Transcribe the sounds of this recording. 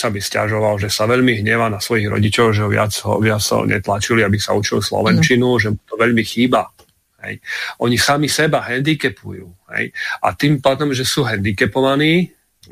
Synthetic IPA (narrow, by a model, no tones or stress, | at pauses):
sabisca̰ʒɔʋalʒɛsaʋɛʎmiɦɲɛʋanasʋɔjiɣɾɔ̰ɟit͡ʃɔʊʒɛɔʋɪa̰d͡zɦɔ̰ʋɪat͡sɔ̰ɲɛ̰t̪lat͡ʃiliabisaut͡ʃilislɔ̰ʋɛnt͡ʃinuʒɛmut̪ɔʋɛʎmixiːba | ɦɛ̰jʔɔɲisamisɛbaɦɛnd̪ikɛpṵjṵːhɛ̰jʔa̰t̪iːmpaːd̪ɔmʒɛsuːɦɛnd̪ikɛpɔʋaniː